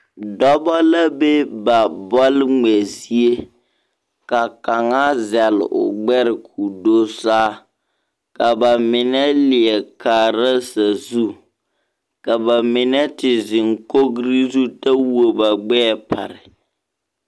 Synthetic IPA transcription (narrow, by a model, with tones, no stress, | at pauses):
dɔ˦bɔ˦la˦be˦ba˨bɔ˦lŋɛ˨zi˦e˦ | ka˨ka˨ŋa˦zɛ˨l̰ʊ̰˨ɡ͡bɛ˦ɾɪ˨kʰu˨do˦saː˦ | ka˨ba˨mɪ˨nɛ˦lɪ˨ɛ˨ka˨ɾa˦sa˨zu˦ | ka˨ba˨mɪ˨nɛ˦tɪ˨zɪ˨ŋko˦ɡɾi˦zu˦ta˦wo˨ba˨ɡ͡bɛː˦pa̰˨ɾɪ˨